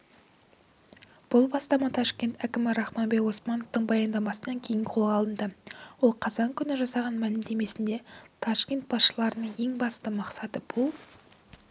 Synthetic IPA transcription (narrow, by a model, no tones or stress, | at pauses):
b̥ʊlˠbɑst̪ɑmɑt̪ʰɑʃkʲe̞nt̪ækʲɪmɪɾɑχmɑnbekwo̞smɑnoft̪əɴbɑjɑnd̪ɑmɑsənɑŋkʲʰe̞jɪɴqʰo̞lˠʁɑlˠənd̪əwolˠqʰɑzɑŋkʲʰʏnɪʒɑsɑʁɑnmælɪmd̪e̞me̞sɪnd̪e̞t̪ʰɑsʃkʲe̞nt̪̚bɑsʃəlˠɑɾənəɴje̞ŋbɑst̪əmɑqsɑt̪əb̥ʊlˠ